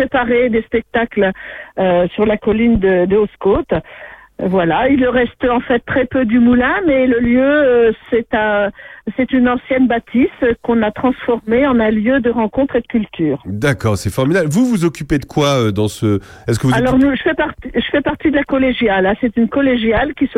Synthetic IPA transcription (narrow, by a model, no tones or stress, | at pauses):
pχepaʁed̪espɛk̚t̪akløsyʁlakɔlind̪əd̪əoskot̪ | vwalailʁɛst̪ɑ̃fɛt̪ːχɛpød̪ymulɛ̃mɛləljøsɛt̪ɛ̃sɛt̪ynɑ̃sjɛnbat̪ʰiskɔ̃nat̪χɑ̃sfɔʁmeɑ̃nɛ̃ljød̪əʁɑ̃kɔ̃t̪χed̪əkʲylt̪yːʁd̪akɔʁsɛfɔʁmid̪ablvuvuzɔkʲyped̪əkwaød̪ɑ̃sə | ɛskəvualɔʁnuʒəfɛpaʁt̪iʒəfɛpaʁt̪id̪əlakɔleʒjalɛ̃sɛt̪ynkɔleʒjalkʲis